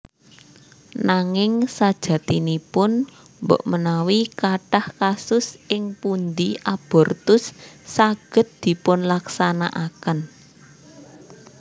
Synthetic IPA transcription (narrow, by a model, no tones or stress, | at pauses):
naŋɪŋsad̥ʒ̥ä̤t̪inipʊn | mbɔ̰ʔmənawikaʈahkasʊsʔɪŋpund̪iʔab̥ɔ̤rt̪ʊsːaɡ̥ə̤t̪̚d̪̥i̤pʊnlaksana̰ʔakən